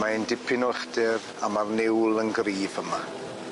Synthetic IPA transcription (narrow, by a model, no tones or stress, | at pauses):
maəndɪpʰɪnɔχdɪr | amarnɪwlˠənɡriːvəma